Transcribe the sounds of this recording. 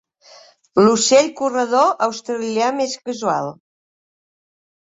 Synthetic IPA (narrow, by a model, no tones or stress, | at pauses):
luseʎkurəðoʔəwst̪ɾəljameskəzualˠ